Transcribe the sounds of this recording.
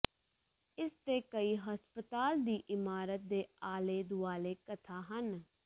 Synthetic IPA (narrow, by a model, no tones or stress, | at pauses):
ɪst̪eːkəiːɦəspət̪aːld̪iːʔɪmaːɾət̪̚d̪eːaːleːd̪ʊaːleːkət̪ʰaːɦən